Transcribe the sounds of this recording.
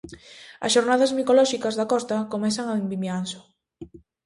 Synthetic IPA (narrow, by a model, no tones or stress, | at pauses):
ɐ̰sʃoɾnaðazmikolɔʃikazðakɔst̪akomɛθaŋaembimjansʊ̥